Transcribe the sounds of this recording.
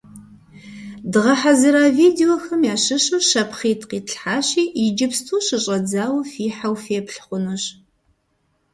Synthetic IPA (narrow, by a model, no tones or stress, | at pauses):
dɨʁɐħazɨɾaːviːdeoxɐmjaːɕɨɕuwʃɐpχiːtʰqiːtɬħaːɕiːɪd͡ʒɪpstʰuːɕɨɕʼɐd͡zaːwɐfiːħawfeːpɬχʷʊnuɕ